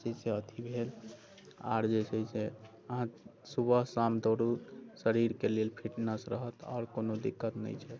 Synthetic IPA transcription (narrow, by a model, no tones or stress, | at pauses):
t͡ʃeseət̪ʰibʱel | a̰ɾd͡ʒesʰɛse | əɦãsubəɦsamd̪oɾusəɾiɾkelelpʰiʈnəsɾəɦət̪ɔ̰ːɾkonod̪ikːət̪nɛ̰jt͡ʃʰɛt̪